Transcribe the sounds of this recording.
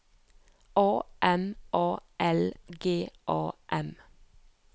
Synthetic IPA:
oːʔɛmʔoːʔɛlɡeːʔoːʔɛm

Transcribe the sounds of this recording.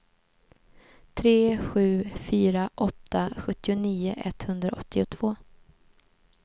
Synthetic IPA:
t̪ʰɾeːɧʉ̟ːfyːɾaʔɔt̪ːaɧɵt̪ːɪʊniːʊʔɛ̰t̪hɵnd̪ɾa̰ʔɔt̪ʰːɪʊt̪ʰv̥oː

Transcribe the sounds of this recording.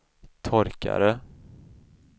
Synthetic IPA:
t̪ʰɔɾka̰ɾə

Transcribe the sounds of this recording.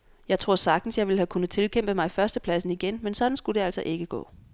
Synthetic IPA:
jɑ̈ɪt͡sʰʁo̝ɐ̰sɑ̈ɡ̥̚d̥n̩sjɑ̈ɪʋe̝lækʰunð̩ˠt͡sʰe̝lkʰem̰b̥əmɑ̈ɪfɶɐsd̥əpʰlæsn̩iɡ̥enmensɒ̽d̥n̩sɡ̥ud̥e̝æl̰sɒʔe̝ɡ̥əɡ̥ɔ̰̽ː

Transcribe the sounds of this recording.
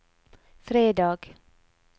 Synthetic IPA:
fɾeːd̪ɑːɡ̥

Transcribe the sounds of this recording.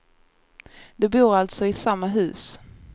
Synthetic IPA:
d̪ɛbuːɾalt̪sɔɪsamːaɦʉ̟̰ːs

